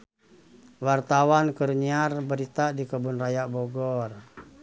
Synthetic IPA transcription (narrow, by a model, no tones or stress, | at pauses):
wart̪awankərɲiarbəɾit̪adikəbunrajabɔɡɔr